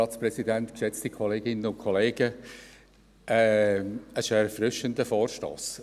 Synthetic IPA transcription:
ɑːt͡sprɛsidænt̪kʃɛt͡stikʰɔleːɡɪnːəʊnkʰɔleːɡ̥ə | ɛ | ə̥ʃəɛɾfrʏʃəndəfoːɾʃto̰ːs

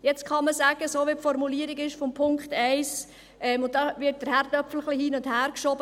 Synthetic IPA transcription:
jɛt͡skɑməsæːɡ̥əsoːʋipfɔɾmuliːəɾiɡɪʃfɔmpʰʊŋkχtɛɪs | ʔɛmʊntdɑʋɪt̚d̥əɾhæɾd̥œpfl̩χlihiːnʊndhæːɾkʃɔbə

